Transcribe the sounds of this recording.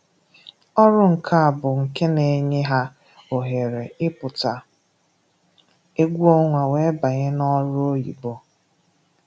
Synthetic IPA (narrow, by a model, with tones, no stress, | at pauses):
ɔ˦ɾʊ˦ŋ̩˨kʰa˦a˨bʊ˨ŋ̩˨ke˦ne˨ɲe˦ɦa˦ | o˨ɦe˨ɾe˨ɪ˦pʊ˨ta˨ | e˦ɡʷu˦o˦ŋʷa˨we˦ba˨ɲe˦nɔ˦ɾʊ˦o˦jḭ˨bo˦